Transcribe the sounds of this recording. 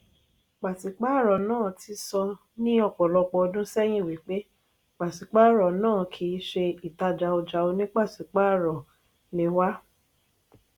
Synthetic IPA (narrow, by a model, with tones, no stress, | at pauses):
k͡pa˨ti˨˦k͡pa˦˨ɾɔ˨nãː˦˨ti˧sɔ˧ | nĩ˦ɔ˦˨k͡pɔ˨lɔ˧k͡pɔ˧dũ˦sɛ˦j̃ĩ˦˨wi˨˦k͡pe˦ | k͡pa˨ti˨˦k͡pa˦˨ɾɔ˨nãː˦˨kʰi˨˦ʃe˧i˨ta˧d͡ʒa˧o˧d͡ʒa˧o˧nĩ˦k͡pa˦˨ti˨˦k͡pa˦˨ɾɔ˨ | nĩ˧wa˦